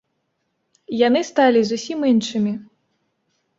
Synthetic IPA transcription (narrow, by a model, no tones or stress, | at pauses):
janɨst̪alʲizusʲiminʂɨmʲi